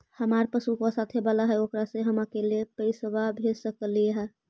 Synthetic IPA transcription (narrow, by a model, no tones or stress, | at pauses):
həmaɾpəsukɔsat̪ʰɦebalaɦɛokɾasẽɦəmakelepəɪsəbabʱesəkəlijeɦɛ